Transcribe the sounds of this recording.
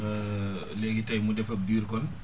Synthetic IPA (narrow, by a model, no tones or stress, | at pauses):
leɡitajmudɛfab̚diɾkɔn